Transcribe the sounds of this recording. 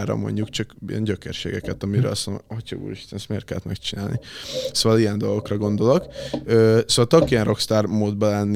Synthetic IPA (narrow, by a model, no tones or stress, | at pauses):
rɾɒ̰mo̞̰ɲɟukt͡ʃɒkijɛ̰nɟøkɛ̰rʃḛːɡɛkɛt̪ɒmiɾø̰ːlɒsnhochɒɡṵːɾiʃt̪ɛnɛst̪meːrt̪kɛlːɛt̪mɛkt͡ʃinaːlnisoːʋɒlijɛnd̪o̞lɡo̞krɒɡo̞nd̪o̞lo̞køːsoːvɒlt͡ʃ̪ɒkijɛnro̞kst̪aːrmoːd̪̚bɛlɛnː